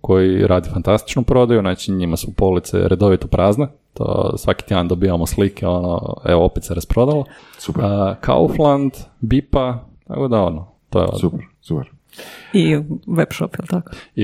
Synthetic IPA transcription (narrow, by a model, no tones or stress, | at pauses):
ko̞jiɾaːd̪ifant̪ast̪i̥t͡ʃnopɾo̞d̪ajunaːt͡ʃiɲimasupolit̪sḛɾʔed̪o̞ʋit̪opɾʔaːzne | t̪o̰sʋaki̥t̪ːand̪obiʋamoslikeo̞no̰ḛoopet̪seɾaspɾo̞d̪ala | supkʰa̰oflˠand̪bipat̪a̰kod̪aono | t̪oj̰o̰supɾsupɛɾ | iʋebʃopjelˠt̪akoi